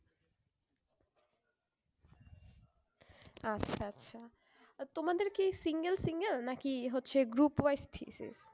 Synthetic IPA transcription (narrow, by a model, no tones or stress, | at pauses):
atːʃʰaatːɕʰa | t̪omad̪eɾkisiŋɡelsiŋɡelnakiɦotːɕʰeɡɾupwajsʈ̪ʰḭsḭs